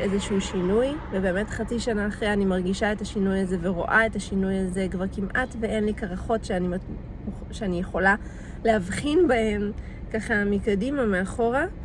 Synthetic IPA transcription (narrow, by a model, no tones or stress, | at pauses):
ʔezeʃuʃinujvebe̞ːme̞tχat͡siʃanaːχʁeanimaʁɡiʃae̞taʃinujaze̞ve̞ʁo̞̰ʔae̞taʃinujaze̞kvaʁkimʔatve̞e̞nlikaʁaχo̞tʃeanim | ʃeanijeχo̞la | leavχinbahe̞m | kaχamikadimameaχo̞ʁa